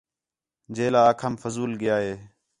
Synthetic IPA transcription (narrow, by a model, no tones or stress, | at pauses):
d͡ʒeːlaːkʰəmfəzuːlɠɪjaːɦeː